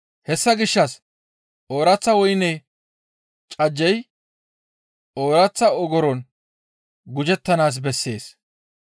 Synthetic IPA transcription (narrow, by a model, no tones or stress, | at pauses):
hɛsːɐɡɪʃːɐs | ʔo̞ːɾɐt͡sːɐwɔjnɛ | t͡ʃʼɐd͡ʒːɛj | oːɾɐt͡sːɐɔɡɔɾɔn | ɡʊd͡ʒɛt̪ːɐnaːs̬bɛsːe̞̰ːs